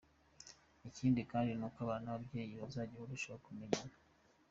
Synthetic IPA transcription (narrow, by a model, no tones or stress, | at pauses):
iciːndikaːndinukaβanaβabjeːjiozaɟioɾuʃoβakumeɲana